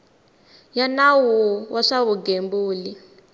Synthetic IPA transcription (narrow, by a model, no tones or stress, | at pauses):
janawuwaʂaβuɡembuːli